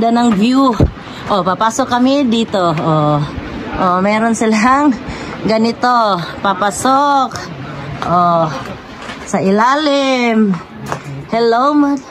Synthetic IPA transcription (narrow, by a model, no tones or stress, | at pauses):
danaŋɡiu | ʔɔpapasɔkːamidit̪oo | ʔomɛɾɔnsɛlaɦaŋ | ɡanit̪opapasɔk | o | sailalim | hɛlomat